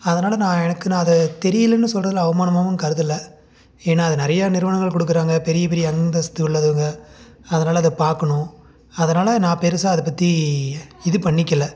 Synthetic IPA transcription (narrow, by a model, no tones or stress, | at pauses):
ɐðɐnaːlɐnãːɛnɐkːɯnãːɐðɐt̪ɛɾɪjɐlɐnːɯsɔlrɐðɐlɐʋɐmaːnɐmaːʋɯmkɐɾɯðɐlːɐ | eːnːaːɐðɯnɪɾɐjanɪɾɯʋɐnɐŋɡɐɭkɔɽɯk̬ːɯɾaːŋɡɐpɛɾɪjɐpɛɾɪjɐɐnd̪ɐsɐ̥t̪ːɯʊɭːɐðɯɯŋɡɐ | ɐðɐnaːlɐɐðɯpaːɾkɐɳʊ̃ | ɐðɐnaːlɐnãːpɛɾɯsaːɐðɯpːɐt̪ːi | ɪðɯpɐɳːɪkːɐlːɐ